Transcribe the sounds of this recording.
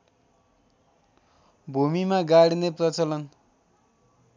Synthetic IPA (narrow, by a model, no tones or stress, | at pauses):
bʱumimaɡaɽineprʌt͡sʌlʌn